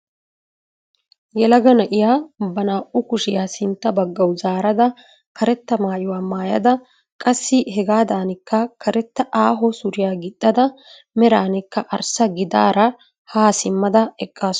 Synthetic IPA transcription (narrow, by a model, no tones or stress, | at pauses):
jɛlɐɡɐnɐʔɪjaːbɐnaːʔʊkʊʃɪjaːsɪnt̪ːɐbɐɡːɐwzaːɾɐd̪ɐ | kɐɾɛt̪ːɐmaːjɪwaːmaːjɐ̰d̪ɐ | kʼɐsːɪhɛɡaːd̪aːnɪkːɐkʰɐɾɛt̪ːɐʔaːɦɔsʊɾɪjaːɡɪd̪ːɐd̪ɐ | mɛɾaːnɪkːɐʔɐɾsɐɡɪd̪a̰ːɾɐ | haːsɪmːɐd̪ɐɛkʼːaːs